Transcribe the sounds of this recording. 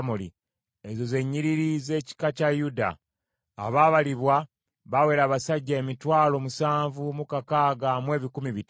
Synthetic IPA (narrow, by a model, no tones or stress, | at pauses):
molḭ | ezo̞ze̞ɲːiɾiɾize̞ːci̥kacajuda̰ː | βaːβaliβwa | βawe̞ːɾaːβasaɟːaemitwaːlo̞ːmusaːɱvumukakaːɡamwe̞ːβikumiβit